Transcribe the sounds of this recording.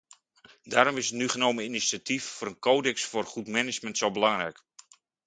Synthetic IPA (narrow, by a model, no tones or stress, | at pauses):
daːɾɔmɪsətnyχənowməinisatʰifːʊːɾənkoːdɛksfʊrχutmɛnɪd͡ʒməntsowbəlɑŋɾɛjk